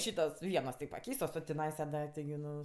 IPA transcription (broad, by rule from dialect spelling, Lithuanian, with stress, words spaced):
ˈʃʲiːtoːs ˈʋʲiɛnoːs tʲɪ pɐˈkʲɛɪstoːs oː tʲɪˈnɐɪsɐ dɐ tʲɪɡʲɪ ˈnʊ